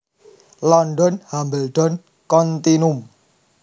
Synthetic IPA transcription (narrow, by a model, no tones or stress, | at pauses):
lɔnɖɔnhambəlɖɔn | kɔnt̪inum